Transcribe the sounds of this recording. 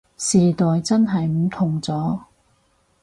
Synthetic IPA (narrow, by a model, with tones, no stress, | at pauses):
siː˨˩t̪ɔː˨jt͡sɐ˥nɦɐ˨jm̩˨˩t̪ʰʊ˨ŋt͡sɔː˨˥